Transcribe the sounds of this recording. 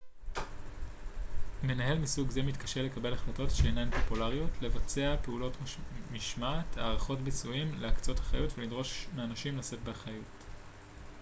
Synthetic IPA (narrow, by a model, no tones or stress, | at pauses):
me̞naɦe̞lmisuɡzemitkḁʃele̞kabe̞laχlato̞tʃeːnanpo̞pulaʁijotle̞vat͡se̞ape̞ulo̞tmiʃmatʰaːʁaχo̞tbit͡suimleakt͡so̞thaχa̰jutvelidʁo̞ʃmeanaʃimlase̞tbeaχɐjut